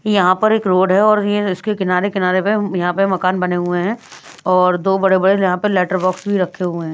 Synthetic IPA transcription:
jɐɦãpɐɾeːkɾoːɖɦɛɔːɾjeɪskekɪnaːɾekɪnaːɾepejɐɦãpemɐkaːnbɐneɦueɦɛ̃ː | ɔːɾd̪oːbɐɽebɐɽejɐɦãpɐlɛːʈəɾbɔːksbʱiɾɐkʰːeɦʊeɦɛ̃ː

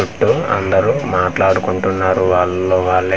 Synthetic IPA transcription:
uʈːuɐ̰nd̪ɐɾumaːʈlaːɽukuɳʈunːaːɾuʋaːɭːoːʋaːɭːɐ

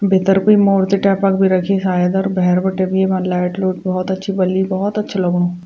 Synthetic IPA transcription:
beːt̪əɾkoːimoːɾt̪eʈɛːpakbʱiɾɐkʰisaːjəd̪ɔːɾbɛɦɛɾbɐʈebʱiebãlɛːʈloːʈ̚bɔɦɔt̪ɐtːʃʰibɐlibɔɦɔt̪ɐtːʃʰelɐɡoː

